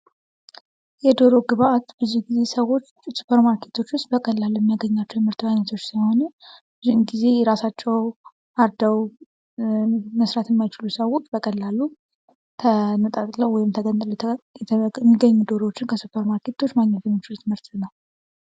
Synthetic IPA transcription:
jɛd̪o̞ɾo̞ɡɨβaʔat̪bəzːihɡize̞səwo̞t͡ʃːsu̥pʰəɾmaɾkʰe̞t̪ʰo̞t͡ʃːwʊst̪bəkʼəlːalːujɛmːijaɡəɲːat͡ʃːɛwt̪mɨɾt̪bajɲːət̪ʰo̞t͡ʃːsəho̞nə | zimɡize̞ɾasat͡ʃːɛw | ʔaɾd̪əw | məsɾat̪jɛmːajt͡ʃɪlusəwo̞t͡ʃːbəkʼəlːalːu | t̪ʰənət̪ʼat̪ʼləwwɔjɪmt̪ʰəɡənt̪ʼljɛmːiɡəɲːud̪oɾot͡ʃːɪnkʰəsupʰəɾmaɾkʰe̞t̪ʰo̞t͡ʃːmaɡɲɛt̪ʰɨɲːot͡ʃːɪut̪ʰɨmhɨɾt̪ʰɨnəw

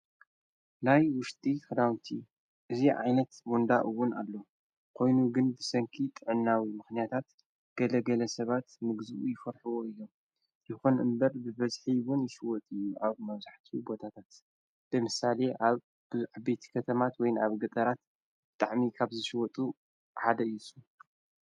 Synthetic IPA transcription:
najwʊʃt̪ʼifɾawnt̪ʰi | ʔɨziʕa̰jnɐt̪wond̪aʔɨwːʊna̰lːo̞ | kʰo̞jnuɡɨnbɨsɐŋkʰit̪ʼɨʕɨnːawimɨxnijat̪ʰat̪ | ɡ̥ɐlɐɡɐlɐsɐβat̪mɨɡzɨʔujɪfɐɾħuwoɨjːo̞m | jɪxunʔɨ̰mbɐɾbɨβɐzħiwʊnjɪʃɪwɔt̪ʼɨjːuʔaβmɐβzaħt̪ʰibo̞t̪ʰat̪ʰat̪ | b̥ɨmɨsale̞ʔaβ | bɨzuħbe̞t̪ʰi̥kʰɐt̪ʰɐmat̪wɔjnaβɡɐt̪ʼɐɾat̪̚ | b̥ɨt̪ʼaʕmikʰaβzɨʃɪwɔt̪ʼu | ħad̪ɐɨsu

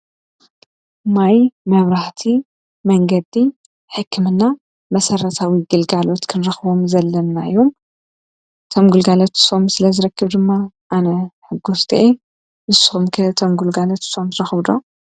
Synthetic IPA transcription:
majmɐβɾaħt̪ʰi | mɐŋɡɐd̪i | ħɨkʰːɨmɨnːa | mɐsɐrːɐt̪ʰawiɡɨlɡalo̞t̪kʰɨnɾɐxβo̞mzɐlːɐnːaɨjom | t̪ʰomɡulɡalot̪so̞msɨlɐzɨɾɐkʰːɨβd̪ɨmːa | ʔanɐħɨɡust̪ʰʔe | ʔɨsxumkʰɐt̪ʰomɡulɡalot̪so̞mzɨɾɐxβd̪o

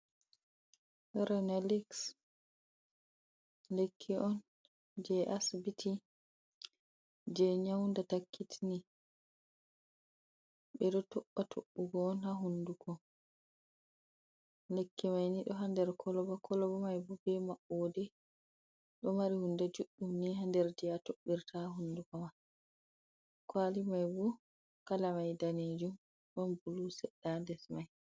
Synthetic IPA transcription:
ɾɛnɛliks | lekʰːiʔɔn | d͡ʒɛʔasbitʰi | d͡ʒɛɲawndatakʰːitʰini | ɓɛɗɔtɔɓːatʰoɓːuɡɔːnhaɦunduɡɔ | lekːimajniɗɔɦandɛɾkʰɔlɔbakʰɔlɔbamajbɔbɛmaʔɔːdɛ | ɗɔmaɾihundɛd͡ʒuɗːumniɦandɛɾd͡ʒijatoɓːiɾtaɦundukɔman | kwaːlimajbɔ | kalamajdaneːd͡ʒum | bɔmbulusɛɗadɛsmaj

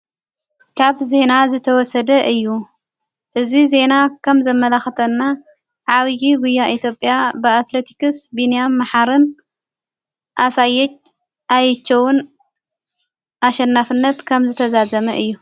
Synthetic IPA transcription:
kʰaβze̞nazɨt̪ʰɐwɔsɐd̪ɐʔɨjːu | ʔɨzize̞nakʰɐmzɐmːɐlaxɐt̪ʰɐnːa | ʕaβjiɡujːaʔit̪ʰjo̞pʼjabɨat̪let̪ʰi̥kɨsbinijamːaħaɾɨn | ʔasajːɛt͡ʃ | ʔajɨt͡ʃːɐwʊn | ʔaʃɐnːafɨnːɐt̪kʰɐmzɨt̪ʰɐzazɐmɐʔɨjːu

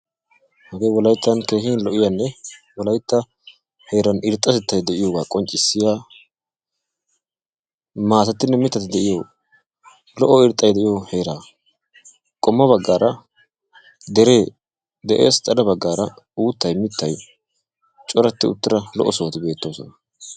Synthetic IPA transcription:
hɐɡeːwɔlɐjt̪ːɐnke̞ːxiːnlɔʔɪjanːɛ | wɔlɐjt̪ːɐ | he̞ːɾɐnɪɾt̪ʼːɐsɛt̪ːɐjd̪ɛʔɪjoːɡaːkʼɔnt͡ʃʼːɪsːɪjaː | maːsɐt̪ːɪnːɛmɪt̪ːɐt̪ɪd̪ɛʔɪjoː | lɔʔːɔɪɾt̪ʼːɐjd̪ɛʔɪjohe̞ːɾaː | kʼɔmːɐβɐɡːaːɾʔɐ | d̪ɛɾeː | d̪ɛʔḛːst̪ʼɐlɐbɐɡːaːɾɐ | uːt̪ːɐjmɪt̪ːɐj | t͡ʃʼɔɾɐt̪ːɪʊ̰t̪ːɪɾɐlɔ̰ʔɔsoːt̪ɪbe̞ːt̪ːo̞ːsɔnɐ

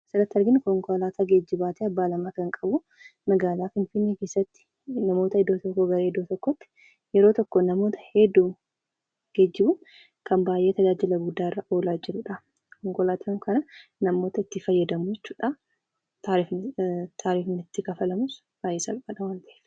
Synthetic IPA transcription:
sɐɾɐt̪ːɐɾɡɪnkɔŋkɔlaːt̪aːɡeːd͡ʒːɪbaːt̪eɐbːaːlɐmaːkɐŋkʼɐbʊ | mɐɡaːlaːfɪnfɪnːeːke̞ːsːɐt̪ːɪ̥ | nɐmo̞ːt̪ɐɪd̪oːt̪ɔkːɔɡɐɾɐɪd̪ːoːt̪ɔkːɔt̪ːɪ̥ | jɛɾoːt̪ɔkːɔnɐmoːt̪ɐ̥hed̪uː | ɡ̥ed͡ʒːɪbʊn | kɐmbaːjʔe̞ːt̪ɐd͡ʒaːd͡ʒɪlɐɡʊd̪ːaːɪrːɐʔo̞ːlaːd͡ʒɪɾʊᶑa | kɔŋkɔlaːt̪ʰaŋkʰɐnɐnɐmoːt̪ɐɪt̪ːɪfɐjːɐd̪ɐmuɛt͡ʃːu̥ːᶑa | aɾft̪ʰaːɾiːfnɪt̪ːɪkɐfɐlɐmʊs | b̥aːjːeːsɐlbaːᶑɐwaːnt̪ɐʔelɐ

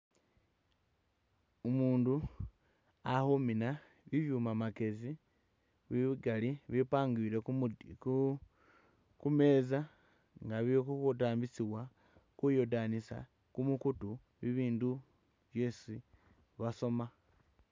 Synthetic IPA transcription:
umuːndu | ahomina | βiβjuːmamake̞zi | βiβiɡaliβipaːŋɡiːɾe | kume̞ːza | ŋɡaβikukotaːmbisiβwa | kujo̞danisa̰ | kumukutu | βiβiːndu | βjesi | βaso̞ma

